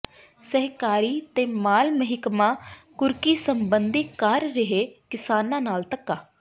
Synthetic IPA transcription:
səɦkaːɾiːt̪ẽːmaːlməɦɪkmãː | kʊɾkiːsəmbənd̪ikəɾːɪɦeːkɪsaːnãːnaːlt̪əkːaː

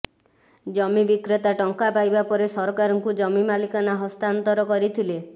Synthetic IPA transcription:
d͡ʒɔmibikɾet̪aʈɔŋkapajbapɔɾesɔɾɔkaɾɔŋkud͡ʒɔmimalikanaɦɔst̪ant̪ɔɾɔkɔɾit̪ʰile

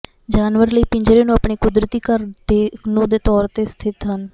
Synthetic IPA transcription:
d͡ʒaːnʋəɾləiːpɪɲd͡ʒɾeːnũːapɳiːkʊd̪ɾt̪iːkəɾd̪eːnũd̪eːt̪ɔːɾt̪eːst̪ʰɪt̪ɦən

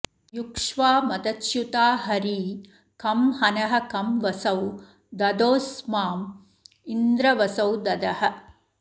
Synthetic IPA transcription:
jukʂʋaːmɐd̪ɐt̪ʃjut̪aːɦɐɾiː | kɐmhɐnɐɦɐ̆kɐmʋɐsɐw | d̪ɐd̪oːsmaːm | ind̪ɾɐʋɐsɐwd̪ɐd̪ɐɦɐ̆

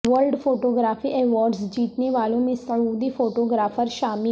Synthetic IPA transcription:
ʋəɾɖpʰoːʈoːɡɾaːpʰiːʔɛːʋaːɖzd͡ʒiːt̪neːʋaːlõːmẽsəud̪iːpʰoːʈoːɡɾaːpʰəɾʃaːmi

